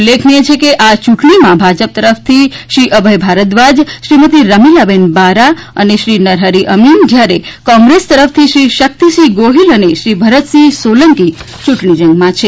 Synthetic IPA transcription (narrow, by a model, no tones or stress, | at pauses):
ulːekʰniet͡ʃʰekeʔat͡ʃuʈɳimãbʱad͡ʒəp̚t̪əɾəft̪ʰiʃɾiʔəbʱəjbʱaɾət̪ʋad͡ʒʃɾimət̪̬iɾəmilabenbaɾaəneʃɾinəɾɦəɾiʔəmind͡ʒjaɾekɔ̃ŋɡɾest̪əɾəft̪ʰiʃɾiʃək̚t̪iʃiɡoɦiləneʃɾibʱəɾət̪sisoləŋki | t͡ʃuʈɳid͡ʒəŋɡmãt͡ʃʰe